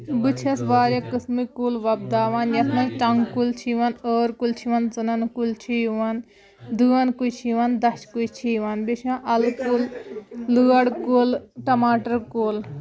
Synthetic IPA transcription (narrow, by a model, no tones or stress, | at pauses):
bɨt͡ʃʰɐsʋaːɾjɐkɨsmikuːlʋɐb̚d̪aːʋaːnjɐsmɐt͡ʃɐŋɡkult͡ʃʰiʋanəːɾkult͡ʃʰiʋɐnt͡sɨnɐnkult͡ʃʰijʋɐn | d̪uːɐnkujt͡ʃʰiʋand̪ɐʃkujt͡ʃʰiʋanbiʃãʔɐlkullɨːɐɽkuːlʈɐmaːʈɐɾkoːl